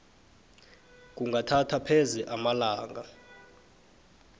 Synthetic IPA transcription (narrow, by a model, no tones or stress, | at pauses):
k̬ʼuŋɡʱatʰatʰapʰɛzɛʔamalaːŋɡa